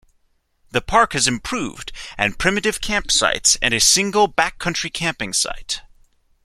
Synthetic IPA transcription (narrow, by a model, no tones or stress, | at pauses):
ðɨpʰɑɹkhɨzɨ̃mpʰɹ̥ʉvdɨ̃npʰɹ̥ɪ̃mɨɾɨv̥kʰæ̃mpsa̰ɪtsɨ̰̃nɨsɪ̃ŋɡl̩ˠbækʰːʌ̃nt͡ʃɹ̥ikʰæ̃mpɪ̃ŋsa̰ɪt̚